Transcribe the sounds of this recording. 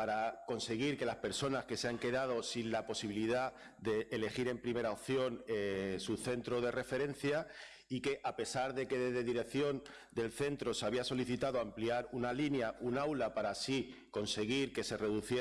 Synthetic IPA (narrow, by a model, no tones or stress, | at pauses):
paɾako̞nse̞ɣ̞iɾke̞laspe̞ɾso̞naske̞seaŋke̞ðað̞o̞sinlapo̞siβ̞iliða | d̪e̞ʔːle̞xiɾe̞mpɾime̞ɾaopθjo̞nesuθe̞nt̪ɾo̞ð̞e̞re̞fe̞ɾẽ̞n̟θja | ike̞ʔape̞saɾðe̞ke̞ðe̞zðe̞ðiɾe̞kθjo̞n | d̪e̞lθe̞nt̪ɾo̞seaβiaso̞liθit̪aðoampliaɾunalinjaʔunawlapaɾasiko̞nse̞ɣ̞iɾke̞se̞re̞ðuθje